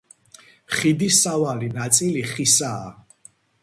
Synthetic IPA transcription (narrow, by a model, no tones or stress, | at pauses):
χid̪isavalinat̪sʼiliχisa̰ː